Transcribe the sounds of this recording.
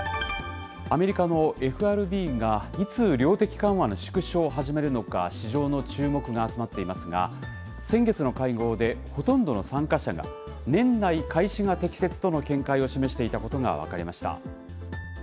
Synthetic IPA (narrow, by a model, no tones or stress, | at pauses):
ame̞ɾʲikano̞e̞ɸɯ̟aɾɯ̟bʲiːɡait͡sɨːɾʲo̞ːt̪e̞kʲi̥kãɰ̃βano̞ɕi̥kɯ̟ɕo̞ːɦaʑime̞ɾɯ̟no̞ka̰ɕiʑo̞ːno̞t͡ɕɨːmo̞kɯ̟ɡaːt͡sɨmat̪ːe̞imasɨɡa̰ | sẽ̞ŋɡe̞t͡sɨno̞kaiɡo̞ːd̪e̞ho̞t̪õ̞nd̪o̞no̞sãŋkaɕaɡa̰ | nẽ̞nːaikʰaiɕiŋat̪e̞kʲi̥se̞t͡sɨ̥t̪o̞no̞kẽ̞ŋkaio̞ɕime̞ɕi̥t̪e̞it̪ako̞t̪o̞ŋa̰β̞a̰kaɾʲimaɕi̥t̪a̰